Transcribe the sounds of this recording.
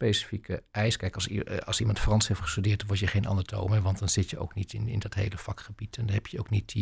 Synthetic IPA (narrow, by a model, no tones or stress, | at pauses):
pejsi̥fikʰəɛjskɛjkɑsɑlˠsimɑntfrɑnshejftχə̥stydɪːtdɑnʋɔɹtjəχejnʔɑ̰ndəɹtʰo̰wməʋɑntd̥ɑnz̥ɪtjəo̰wknitɪnɪ̰ndɑtɦejləfɑkχəbitʰɛndnɦɛpjəoʊknit